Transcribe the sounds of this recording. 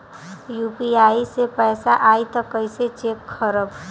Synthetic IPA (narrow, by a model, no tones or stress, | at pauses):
juːpiaːisepɛːsaʔaːit̪ɔkəɪset͡ʃeːkkʰːəɾəb